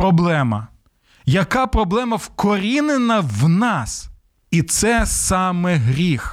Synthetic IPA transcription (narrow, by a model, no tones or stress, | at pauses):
ɾɔblˠɛmɐ̰ | jɐkɑpɾɔblˠɛmɐwkɔɾʲinenɐwnɑs | it̪sɛsɑmɛɦɾʲix